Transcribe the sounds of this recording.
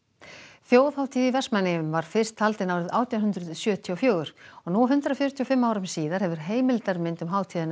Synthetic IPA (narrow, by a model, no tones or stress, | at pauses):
θjoːwðhawt̪ʰiːðivɛsmanːɪʏmvaɾ̥fɪr̥st̪ʰhalt̪ɪnawɾɪðaːwt̪ʰjawɦʏnt̪ɾʏðsjœːt̪ʰiɔfjœːɣʏɾ̥ɔɣnuɦʏnt̪ɾɪɔfjʏɾʏt̪ʰijɔfɪmːaːwɾʏmsiːðaɾ̥hɛvʏɾ̥ɦeːjmɪlt̪aɾmɪnt̪ʏmɦaːwt̪ʰiːðɪn